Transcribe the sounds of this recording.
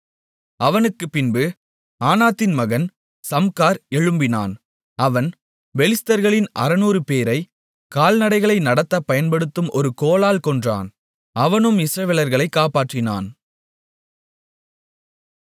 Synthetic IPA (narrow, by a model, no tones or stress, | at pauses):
ɐʋɐnɯkːɯpːɪnbɯ | aːnaːt̪ːɪnmɐɣɐn | sɐmkaːɾɛɻɯmbɪna̰ːn | ɐʋɐn | ʋɛɭɪst̪ɐɾɣɐɭɪnʔɐ̰ɾɐnuːrɯpeːɾɐɪ | kaːlnɐɽɐɪɣɐɭɐɪnɐɽɐt̪ːɐpɐjɐnpɐɽɯt̪ːɯmʔɔɾɯkoːlaːlkɔɳdra̰ːn | ɐʋɐnɯmɪsɾɐʋɛlɐɾɣɐɭɐɪkːaːpaːʈrɪna̰ːn